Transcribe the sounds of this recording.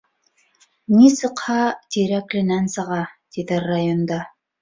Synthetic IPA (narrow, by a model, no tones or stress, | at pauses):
nisɤ̆qhɑt̪ʲiɾæklʲɘ̆nænsɤ̆ʁɑt̪iðɘrajond̪ɑ